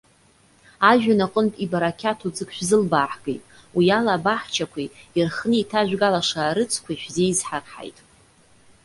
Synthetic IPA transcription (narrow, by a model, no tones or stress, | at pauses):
aʒᶣanaqʼəntʼibaɾakʲʰatʰud͡zɨkʰʷʼʃʷᶣzɨlbaːħɡḛjtʼ | wialabaħt͡ʃʰakʷʰiirχnɨitʰaʒᶣʷɡalaʂaɾɨt͡sʰkʷʰaiʃᶣzeizħarħa̰jtʼ